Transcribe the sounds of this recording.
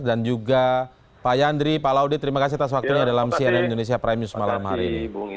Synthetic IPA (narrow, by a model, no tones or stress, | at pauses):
dand͡ʒuɡa | pajandɾipalaudit̪əɾimakasiat̪as̬wak̚t̪uɲadalamsianamindonesiapɾamusmalamha̰ɾiːni